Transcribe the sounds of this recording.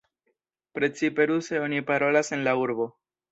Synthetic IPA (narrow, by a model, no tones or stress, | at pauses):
pɾe̞t͡sipe̞ɾuseo̞nipaɾo̞lase̞nlauɾbo̞